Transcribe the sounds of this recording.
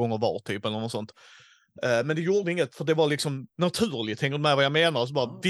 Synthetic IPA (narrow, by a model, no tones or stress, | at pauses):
ɔŋːəɾvɑ̰ːɾt̪ʰyːpɛlːəɾnɔsɔnt̪ | mɛnd̪ɛjuːɾɖ̪əɪŋːət̪fœɖ̪ɛvɑɾlɪksɔmnat̪ʰʉ̟ːɾɭɪɡt̪ʰːɛŋkəd̪ɵmɛɪvajameːnaɾs̬ɔbɑːɾvɪ